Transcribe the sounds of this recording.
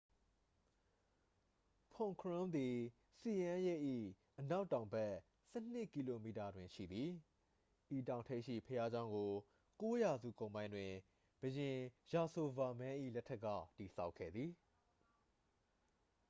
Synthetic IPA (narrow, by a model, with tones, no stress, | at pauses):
pʰɔ̃˨ŋkʰɹʊ̃˦md̪i˨ | si˨jã˦jɛ˦˨ʔḭ˦˨ | ʔəna˦ʊtːã˨ʊ̃mbɛ˦ | sɛ˦˨n̥ɪ˦˨ʔki˨lo˨mi˨ta˨dwɪ̃˨ʃḭ˦˨d̪ði˨ | ʔi˨tã˨ʊ̃ntʰe˦ʔʃḭ˦˨pʰəja˦d͡ʑã˦ʊ̃ŋɡo˨ | ko˦ja˨zṵ˦˨kõ˨ʊ̃mbã˦ɪ̃ndwɪ̃˨ | b̥əjɪ̃˨ja˨so˨va˨mɛ̃˦ʔḭ˦˨lɛ˦tʰːɛ˦ʔkːa̰˦˨ti˨sʰa˦ʊkʰːɛ̰˦˨d̪ði˨